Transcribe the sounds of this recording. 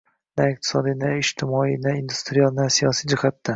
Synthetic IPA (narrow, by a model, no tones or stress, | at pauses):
naɪq̚t̪ʰɪ̥sɒd̪ijnaɪʃt̪ʰɪmɒinaind̪u̥st̪ɾialˠnasijɒsijd͡ʒɪhat̪ːa